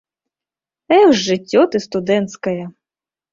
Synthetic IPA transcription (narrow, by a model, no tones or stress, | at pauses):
ɛʒːɪtʲːɔt̪ɪst̪ʊd̪ɛnt̪skɐjɛ